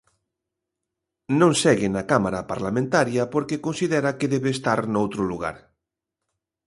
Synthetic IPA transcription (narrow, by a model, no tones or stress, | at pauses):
nõŋsɛɣɪnakamaɾapa̰ɾlamẽnt̪aɾjɐpoɾkekonsiðɛɾɐkeðɛβeːst̪aɾnowt̪ɾʊluɣa̰ɾ